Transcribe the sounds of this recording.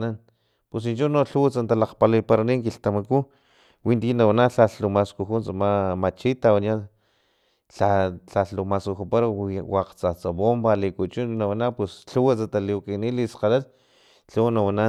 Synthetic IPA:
nan | pus̬int͡ʃunoɬuwat͡sant̪alaqpalajpaɾaniŋkiɬt̪amaku | wint̪inawanaɬaɬumaskuxunt͡samamat͡ʃit̪awanja | ɬaɬaumaskuxupaɾwaqt͡sat͡saβombalikut͡ʃunnawanapwesɬuwat͡sat̪alikinilisqalal | ɬuwnawana

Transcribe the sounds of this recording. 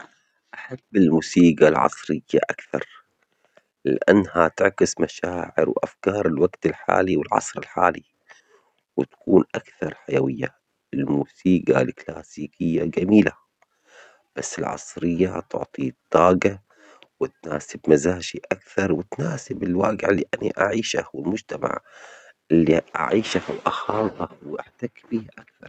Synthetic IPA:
ʔaħabːɪlmuːsiːɡalʕɑ̰sˤɾɪjːa̰ʔakθɑ̰ɾˤ | lɪʔanːhat̪ɪʕkɪsmaʃaːʕɪ̰ɾwʔa̰fkɑːɾˤɪlwaɡt̪ɪlħa̰ːliwɪlʕɑ̰sˤɾɪ̰lħa̰ːli | wɪt̪ḁkuːnʔakθɑɾˤħajawɪjːa | ɪlmuːsiːɡa̰lklaːsiːkɪjːad͡ʒamiːla̰ | b̥asːɪlʕɑ̰sˤɾɪjːat̪ʊ̰ʕt̪ˤit̪ˤːɑːɡa | wɪt̪̚naːsɪbmazaːʃiʔakθɑɾˤwɪt̪naːsɪbɪlwaːɡɪʕɪlːiʔanḭʔaʕiːʃa̰hwɪlmʊd͡ʒt̪ama̰ʕʔɪlːiʔa̰ʕiːʃahwʔaxɑːt̪ˤɑhwɪʔaħt̪akbiːhʔakθɑɾˤ

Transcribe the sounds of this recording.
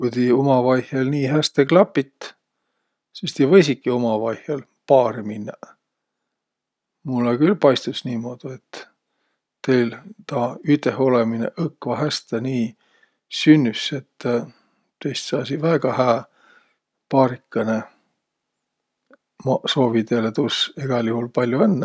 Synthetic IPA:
kujt̪iomɑvɑjhjelniːɦæst̪eklɑpːˑit̪ː | sist̪ivɤjsikːio̞mɑvɑjhjel | pɑːɾiminːɑ | mulːekylpɑjst̪usniːmo̞d̪̥ie̞t̪ː | e̞jlt̪ɑyt̪ˑeho̞lemine̞̰ʔɤkːvɑɦæst̪eniː | synʲːyse̞t̪ː | t̪ejst̪sɑːsivæːɡ̥ɑhæː | pɑːɾikːɑne | mɑso̞ːvit̪eːlet̪useɡ̥ɑlʲjuhulpɑlʲjuenːɑ

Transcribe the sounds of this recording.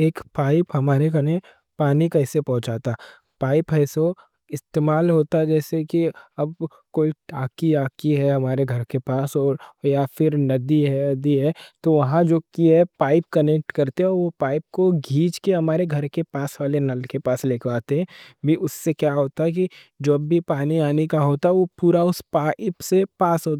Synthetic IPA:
eːkpaːɪpɦɐmaːɾekɐnẽ | paːnikɐɪsepɐ̃ɦʊ̃t͡ʃaːt̪aː | paːɪpɦɛːso | ɪst̪eːmaːlɦoːt̪aɛd͡ʒɛːsekiɐb̚ | koːiʈaːkiaːkiɦɛɦɐmaːɾeɡʱɐɾkepaːsɔːɾjafɪɾnɐd̪iɦɛd̪iɦɛt̪oʋɐɦãd͡ʒoːkiɦɛpaːɪp̚kɐnek̚ʈkɐɾt̪eɦɛ̃ɔːɾʋopaːɪp̚koɡʱiːd͡ʒkeɦɐmaːɾeɡʱɐɾkepaːsʋaːlenɐlkepaːsleːkʰlaːt̪eɦɛ̃ːbʱiʊsːekjaːɦoːt̪aɦɛk̬i | d͡ʒoːbːʱipaːniaːnekaɦoːt̪aɦɛʋopuːɾaʊspaːɪpsepaːsɦoːt̪a

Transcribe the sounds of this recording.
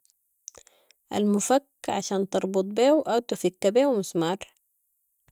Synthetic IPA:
ʔa̰lmufakːʕa̰ʃaːnt̪ɑɾˤbʊt̪̚ˤbeːwʔawt̪ufikːabeːwmʊsmɑːɾˤ

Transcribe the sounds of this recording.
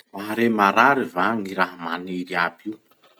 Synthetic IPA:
maɦɾemaɾaɾivaŋiɾaɦamaneɾiabiw

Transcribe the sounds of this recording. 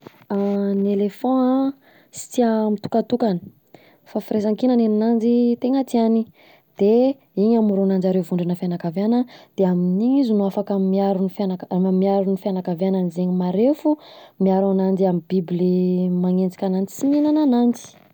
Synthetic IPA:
anelefɔ̃a | si̥t͡siamit̪u̥kat̪ukanə̥ | fafiɾezaŋkinanenanand͡ʒit̪eŋat̪iani | d̪̥e | iɲamuɾunand͡ʒaɾevuɳɖ͡ʐinəfianakavanəd̪̥eaminiɲizunuafakamiaɾunifanakmamiaɾunifianakaveananizeɲimaɾefumiaɾanand͡ʒiamibiblimaŋend͡zi̥kʲanand͡zi̥siɲinananand͡zi̥

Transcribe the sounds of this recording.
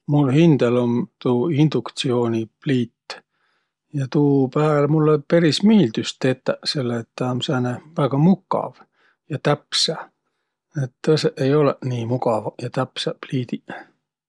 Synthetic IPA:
mulhind̪̥elo̞nt̪uːind̪̥ukt̪sio̞ːnʲipliːt̪ː | jɑt̪uːpæːlmulːepeɾismiːld̪̥yst̪t̪ːe̞t̪ːˑæse̞lːet̪ːɑmsæːnevæɡ̥ɑmukːˑɑ̰v | jɑt̪æpsæ | et̪ːɤseʔe̞jo̞leniːmuɡɑvɑjɑt̪æpsæpliːd̪̥i

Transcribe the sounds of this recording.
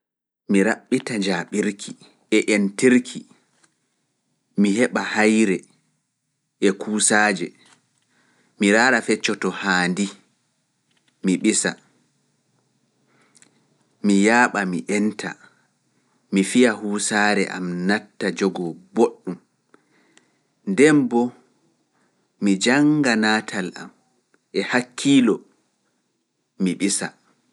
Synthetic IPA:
miɾaɓːitaɲd͡ʒaːɓiɾkʰi | ɛʔentiɾkʰi | mihɛɓahajɾɛ | ʔɛkʰuːsaːd͡ʒɛ | miɾaːɾafɛt͡ʃːɔtɔhaːndi | miɓisa | mijaːɓamiʔɛntʰa̰ | mifijahuːsaːɾɛ̰ʔa̰mnatːad͡ʒɔɡɔboɗːum | ndɛmbɔ | mid͡ʒaŋɡanaːtʰala̰m | ɛhakʰːiːlɔ | miɓisa

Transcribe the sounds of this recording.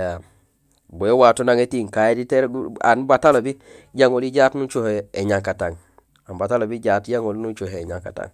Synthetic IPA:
ja | boewatonaŋetiŋkajediteɾɡa̰nbatalobiɟaŋoliɟaːtnut͡ʃoheeɲaŋkataŋ | ambatalobiɟaːtjaŋolnut͡ʃoheːɲaŋkata̰ŋ

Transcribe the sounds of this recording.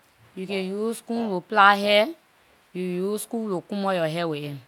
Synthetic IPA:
jukejuskũɾoplaɦɛ | jujuskulokũmɔ̃jɔɦɛwee

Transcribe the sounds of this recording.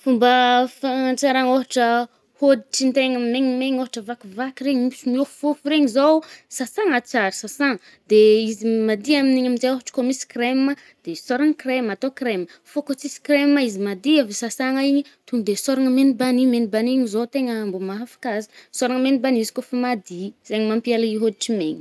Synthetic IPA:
fumbəfat͡saɾaŋoɦaʈ͡ʂə | hod̪iʈ͡ʂint̪eŋəmeŋimeɲoɦaʈ͡ʂəvakivakɾeɲmisimioffofuɾeɲizowsasaŋat͡saɾisasaŋə | d̪eizimad̪iaminiɲaminzeoɦaʈ͡ʂə̥komisi̥kɾemə | d̪̥esoɾaŋəkremat̪okremə | fokot͡sisi̥kɾemaizimad̪iavesasaŋaiɲit̪uŋud̪esoɾaŋəmenibanimenibaniɲizot̪eŋəambumaafḁkazi̥soɾaŋəmenibanizi̥kofamad̪iz̥eŋimampialaiɦod̪iʈ͡ʂimeɲi̥

